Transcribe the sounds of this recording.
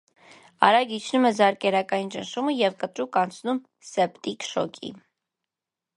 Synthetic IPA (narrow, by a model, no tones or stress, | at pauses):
ɑ̰ɾɑɡit͡ʃʰnumɛzɑɾkɛɾɑkɑjint͡ʃənʃuməjɛvkət̪ɾukɑnt͡sʰnum | sɛpt̪ikʃɔ̰kʰḭ